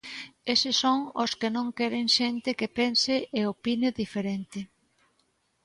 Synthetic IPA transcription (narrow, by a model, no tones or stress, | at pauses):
esɪsoŋoskɪnõŋkɛɾeŋʃent̪ɪkɪpensɪʔeopineðifeɾent̪ɪ